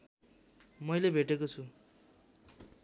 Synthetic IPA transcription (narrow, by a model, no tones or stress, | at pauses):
mʌjlebʱeʈekot͡sʰu